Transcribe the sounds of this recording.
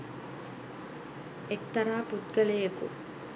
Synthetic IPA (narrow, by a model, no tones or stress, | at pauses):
ek̚t̪ɐɾaːput̪ɡəlejəkṵ